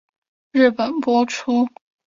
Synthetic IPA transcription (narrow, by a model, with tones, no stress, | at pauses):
ɻɻ̩˥˩pə˨˩npwɔ˥ʈ͡ʂʰu˥